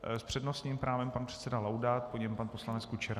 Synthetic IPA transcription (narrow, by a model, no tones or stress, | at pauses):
spr̝̥ɛdnost̪ɲiːmpɾaːvɛmpanpr̥ɛ̥t̪sɛdalawdaːt̪̚poɲɛmpanpo̞slanɛt͡skut͡ʃɛɾa